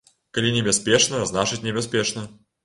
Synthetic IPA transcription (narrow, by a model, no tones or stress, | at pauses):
kɐlʲinʲɪbʲɛspʲeʂnəznaʂɨtʲnʲɪbʲɛs̬pʲeʂnə